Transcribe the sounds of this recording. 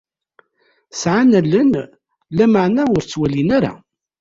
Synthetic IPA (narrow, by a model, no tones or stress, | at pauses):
sʕanælən | læməʕnæʊɾt͡sːwælinæɾa̰